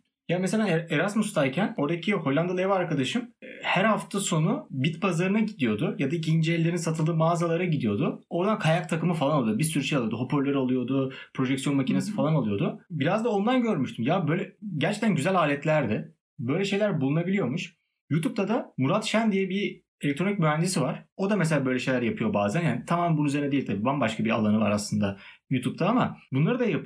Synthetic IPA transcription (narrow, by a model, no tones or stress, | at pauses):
jaːmselʲaeɾasmust̪aɾcʰæno̞ɾd̪acʰiho̞lʲːand̪alˠevaaɾkʰad̪aʃɯmhæɾhaft̪ʰaso̞nubit̪bazaɾɯnaɟid̪ijo̞d̪ʊjad̪aicʰind͡ʒɛlʲːeɾinisat̪ʰɯlˠd̪ɯːmaːzalˠaɾaɟid̪ijo̞d̪ʊo̞ɾd̪ankʰajak̚t̪ʰakɯmɯfalˠanalˠɯjd̪bisyɾyʃejalˠɯod̪uɦo̞pʰoɾlʲˠaɾɯalˠujo̞d̪ʊ | pʰɾo̞ʒɛcksijonmacʰinasɯ̥falˠanalˠɯjo̞d̪ʊbiɾazd̪ao̞nd̪anɟø̞ɾmyʃt̪ʰymjabøjlʲɛɟæɾt͡ʃʰɛ̥c̚t̪ʰænɟyzælʲaːlʲɛt̪lʲæɾd̪ɪ | bø̞jlʲɛʃe̞jlʲæɾbulˠunabilʲijo̞muʃ | jut̪ʰupt̪ʰad̪amuɾat̪ʃænd̪ijɛbi | elʲɛk̚t̪ɾo̞nicmyvænd̪isivaɾ̥o̞d̪ames̬eaːbølʲɛʃe̞jlʲæɾjapʰɯjo̞baːzænhænt̪ʰamaːmæbunuyzeɾnɛd̪eilʲt̪ʰabiːbambaʃkʰabia̰lˠanɯva̰ɾaslˠɯnd̪ajuːt̪ʰup̚t̪ʰaamabunlˠaɾɯd̪ajap